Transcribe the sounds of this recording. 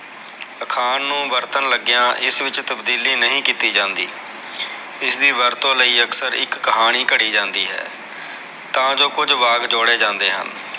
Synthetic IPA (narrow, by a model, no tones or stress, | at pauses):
əkʰaːnːũːʋəɾt̪ənləɡjãːʔɪsʋɪt͡ʃt̪əbd̪iːliːnəɦĩːkiːt̪iːd͡ʒãːnd̪ḭː | ɪsd̪iːʋəɾt̪õːləiːəksəɾɪ̰kːəɦaːɽ̃iːkəɽiːd͡ʒãːnd̪ḭːɦɛ̰ː | t̪ãːd͡ʒoːkʊd͡ʒʋaːɡd͡ʒoːɽeːd͡ʒãːnd̪eːɦə̰n